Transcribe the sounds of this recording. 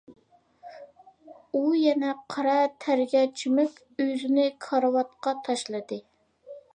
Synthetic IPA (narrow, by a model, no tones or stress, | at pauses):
ujɛnɛqʰɑɾɑt̪ʰæɾɡʲɛt͡ʃʰymykʲ | øzɪnɪkʰɑɾwɑt̪̚qɑt̪ʰɑʃlˠɨd̪ɨ